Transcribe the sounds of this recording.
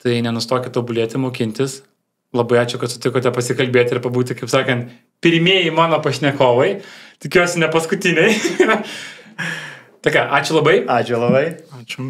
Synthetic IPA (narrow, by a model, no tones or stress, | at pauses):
t̪ɐɪnʲɛnʊst̪oːkʲɛt̪oːbʊlʲiɛt̪ʲɪmoːkʲɪnʲt̪ʲɪs | lˠɐbɐɪɑːt͡ʃʲʊkɐt̪sʲʊ̥t̪ʲɪkoːt̪ʲɛpɐsʲɪkɐlʲbʲeːt̪ʲɪɾpɐbuːt̪ʲɪkɐɪpsɑːkɐnt̪ | pʲɪɾʲmʲiɛjɪmɑːnoːpɐʃʲnʲɛkoːʋɐɪt̪ʲɪkʲuɔsʲɪnʲɛpɐskʊt̪ʲɪnʲɛɪ | t̪ɐːkʲɑʔɑːt͡ʃʲʊlˠɐbɐɪɑːt͡ʃʲʊlˠɐbɐɪaːt͡ʃʲʊ